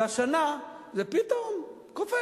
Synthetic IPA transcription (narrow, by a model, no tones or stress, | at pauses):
aʃanazepit̪om | kofe